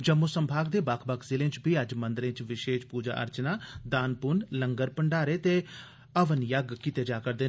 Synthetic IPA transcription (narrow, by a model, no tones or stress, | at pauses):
d͡ʒəmosəmbʱaːɡ̚d̪eːbaːkʰbəkʰzɪlẽːt͡ʃbʱiːəd͡ʒmə̃nd̪ɾẽːt͡ʃʋɪʃeːʃpuːd͡ʒa̰ːʔə̰ɾt͡ʃnaːd̪aːnpʊnləŋɡəɾpəɳɖaːɾeːt̪eː | əʋənjəɡkit̪eːd͡ʒaːkəɾd̪eː